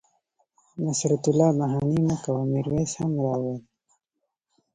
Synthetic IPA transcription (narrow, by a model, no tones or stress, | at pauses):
masɾat̪ʊlɑbaɦɑnimakawamiɾweshamwɑwal